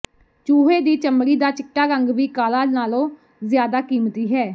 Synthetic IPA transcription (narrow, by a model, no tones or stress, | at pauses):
t͡ʃuːɦeːd̪iːt͡ʃəmɾiːd̪aːt͡ʃɪʈːaːɾəŋɡʋiːkaːlaːnaːlõː | zɪjaːd̪aːkiːmt̪iːɦɛː